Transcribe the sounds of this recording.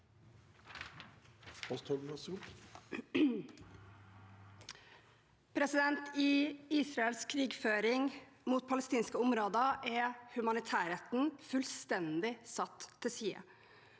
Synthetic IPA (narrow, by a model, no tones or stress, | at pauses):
ɔst̪ʰhɔɡlɑsuk | pʰɾɛsɪd̪ɛnt̪iiːsɾɑɛlskʰɾiːɡføːɾɪŋ | muːt̪̚pʰɑləst̪iːnskəʊmɾoːd̪əʔɛhʉmɑnɪt̪ʰæːɾeːt̪n̩fʉlst̪ɛnd̪ɪsɑt̪ʰːɪsiːə̰